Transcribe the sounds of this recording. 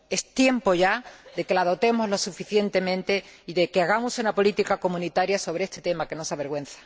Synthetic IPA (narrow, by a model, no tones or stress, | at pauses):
e̞st̪je̞mpo̞ʝad̪e̞ke̞lað̞o̞t̪e̞mozlo̞sufiθje̞nt̪e̞mẽnt̪e̞iðe̞keaɣamusunapo̞lit̪ikako̞mũnit̪aɾjaso̞β̞ɾeest̪et̪e̞make̞no̞saβe̞ɾɣwẽ̞nθḁ